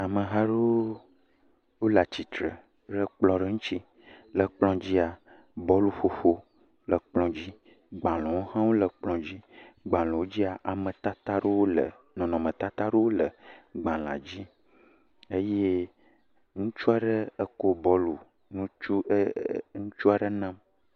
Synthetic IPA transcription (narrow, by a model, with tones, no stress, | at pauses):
a˨mə˨ɦa˦ɖe˦ | wo˦la˨t͡ɕi˨t̪ɾə̰˨ | ɖə˦k͡plɔ̃˨ɖə˦ŋũ˦t͡ɕi˦ | lə˨k͡plɔ̃˦d͡ʑi˦a˨ | bɔ˦lu˦ɸo˦ɸo˦ | lə˨k͡plɔ̃˨d͡ʑi˦ | ɡ͡bã˨lɔ̃˨wo˦hã˦wo˦lə˨k͡plɔ̃˨d͡ʑi˦ɡ͡bã˨lɔ̃˨wo˦d͡ʑi˦a˨ʔa˨mə̃˨t̪a˦t̪a˦ɖə˦wo˦lə̰˨ | nɔ̃˨nɔ̃˨mə̃˨t̪a˦t̪a˦ɖə˦wo˦lə˨ɡ͡bã˨l̃ã̰˨d͡ʑi˦ | e˦je˦ | ŋũ˦t͡ʃu˦a˨ɖə˦ə˦ko˦bɔ˦lu˨ | nũ˦t͡ʃu˦ŋũ˦t͡ʃu˦a˨ɖə˦nã˦m